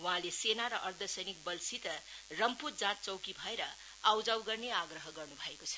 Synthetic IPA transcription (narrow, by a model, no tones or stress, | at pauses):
waɦãlesenaɾʌʔʌrd̪ʱʌsʌjnik̚bʌlsit̪ʌrʌmpuɾd͡zãt̪̚t͡sʌwkibʱʌeɾʌ | awd͡zawɡʌrneaɡrʌɦʌɡʌrnubʱʌekot͡sʰʌ̥